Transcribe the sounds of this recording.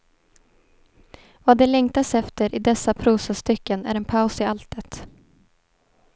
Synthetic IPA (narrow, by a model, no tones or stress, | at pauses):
vaːd̪ɛlɛŋt̪asɛft̪əɾʔɪd̪ɛsːapʰɾuːsast̪ʏkːənæ̰ɾɛnpʰaʊsɪalt̪ət̪